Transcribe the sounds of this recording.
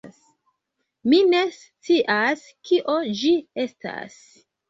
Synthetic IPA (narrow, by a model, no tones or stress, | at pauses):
s | mine̞s | t͡siʔas | kʰiʔo̞d͡ʒie̞sta̰s